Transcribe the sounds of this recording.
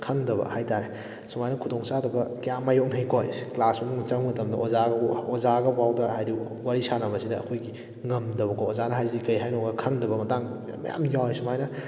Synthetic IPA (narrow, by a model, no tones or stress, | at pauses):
kʰɐŋdɐbɐ̰hajtaɾe | sumajnɐkʰudɔŋsadɐbɐkɐjamajɔknɐjkʰojsi̥klasmumut͡ʃɐŋmɐtɐmdɐʔozaɡɐozaɡɐbawdɐhajɾi | waɾisanɐbɐsidɐːkʰojɡi | ŋɐmdɐβɐkʰoozanɐɦajzikɐjɦajnɔɡɐkʰɐŋdɐbɐmɐtaŋ | mɐ̰ja̰mjawsumajnɐ